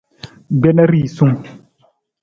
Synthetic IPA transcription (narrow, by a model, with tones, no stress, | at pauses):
ɡ͡bɛ˦na˦ɾi˦˨sũ˦